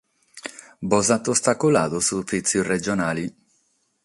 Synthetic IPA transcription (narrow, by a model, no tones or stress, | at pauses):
bɔzat̪ːost̪akolaːðosufit̪sjired͡ʒonaːli